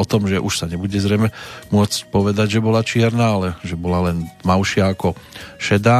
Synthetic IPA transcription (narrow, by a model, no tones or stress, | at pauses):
ɔt̪ɔmʒɛʔuʃsaɲɛbuɟɛzɾɛjmɛmʊɔt͡scpɔʋɛd̪aɟʒɛbɔlat͡ʃɪɛɾnaːalɛʒɛbɔlalɛnmaʊʃɪaːkɔʃɛd̪aː